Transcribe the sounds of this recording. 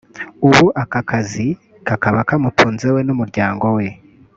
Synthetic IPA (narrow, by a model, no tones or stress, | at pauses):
uβuʔakakʰazi | kakaβakamutʰuːnze̞we̞numuɾɟaːŋɡo̞we̞